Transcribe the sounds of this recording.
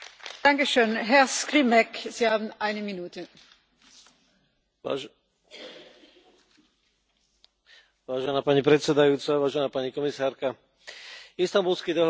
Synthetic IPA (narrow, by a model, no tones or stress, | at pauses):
d̥aŋkəʃøːnɦɛɐskʁimɛkz̥iːhaːbm̩ʔaɪnəminuːtʰə | a | ʋaːʒɛnaːpaɲipɾɛt̪sɛd̪ajuːt͡saʋaːʒɛnaːpaɲikɔmisaːɾka | ist̪ambulskid̪ɔɦ